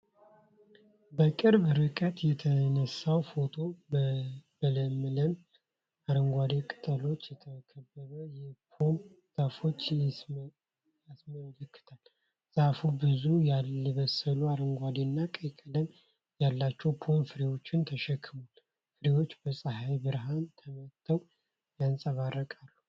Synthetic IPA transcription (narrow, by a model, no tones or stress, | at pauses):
bəkʼɨɾbɾɨkʼət̪jɛt̪ʰənəsːawfo̞t̪ʰo̞ | bələmːɨləm | aɾəŋɡʷad̪ekʼɨ̥t̪ʼəlo̞t͡ʃːjɛt̪ʰəkʰəbːəβəjɛpʰon | z̥afo̞t͡ʃː | jasməlkːɨ̥t̪ʰal | z̥afubɨzujalɛβəsəluaɾəŋɡʷad̪enːakʼəkʼələm | jalːat͡ʃːɛwpʰo̞nfɨɾewo̞t͡ʃːɪnt̪ʰəʃɛkʰːɨmal | fɨɾewo̞t͡ʃːbəsʼəɦajbɨɾɦant̪ʰəmət̪ʰːəw | jansʼəβarːəkʼalːu